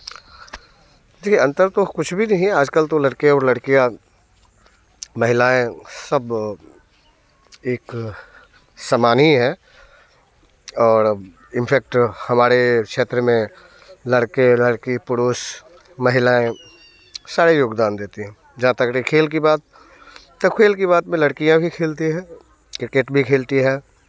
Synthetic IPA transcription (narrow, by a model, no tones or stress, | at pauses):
d̪eːkʰieɐ̃nt̪əɾt̪okʊt͡ʃʰbʱinɐɦĩaːd͡ʒkəlt̪olɐɽkijaɔːɾlɐɽkija | mɐɦɪlaːẽsɐb | eːk | səmaːniɦɛ̃ː | ɔːɾ | ɪnpʰɛːk̚ʈhɐmaːɾekʃeːt̪ɾəmẽ | ləɽkeləɽkipʊɽoːs | mɐɦɪlaːẽ | saːɾejoːɡd̪aːnd̪eːt̪iɦɛ̃ː | d͡ʒãt̪əkɾikʰeːlkibaːt̪̚ː | ɐkʰeːlkiβaːt̪mẽlɐɽkijãbʱikʰeːlt̪iɦɛ̃ː | kɾɪkeːʈbʱikʰeːlt̪iɦɛ̃ː